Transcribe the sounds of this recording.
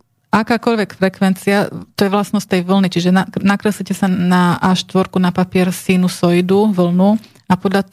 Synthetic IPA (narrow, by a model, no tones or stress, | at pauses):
ʔakaːkɔʎʋɛkfɾɛkʋɛnt͡siat̪ɔjɛʋlasnɔst̪ɛjʋl̩nit͡ʃiʒɛnanakɾɛsɛcɛsanaʔaʃt̪ʋɔɾkunapapɪɛɾsiːnusɔjd̪uʋl̩nu | apɔd̪ʎa